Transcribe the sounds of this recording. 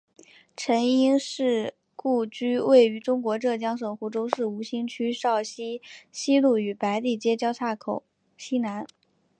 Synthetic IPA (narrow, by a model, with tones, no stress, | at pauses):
ʈ͡ʂʰə˧˥ni˥ŋʂɻ̩˥˩ | ku˥˩t͡ɕy˥we˥˩ɪy˧˥ʈ͡ʂʊ˥ŋkwɔ˧˥ʈ͡ʂɤ˥˩t͡ɕjɑ˥ŋʂə˨˩ŋxu˧˥ʈ͡ʂo˥ʊʂɻ̩˥˩u˧˥ɕi˥ŋt͡ɕʰy˥ʂɑ˥˩ʊɕi˥ɕi˥lu˥˩y˨˩pa˧˥ɪt̪i˥˩t͡ɕjɛ˥t͡ɕjɑ˥ʊt͡sʰa˥˩kʰo˨˩˦ʊ | ɕi˥na˧˥n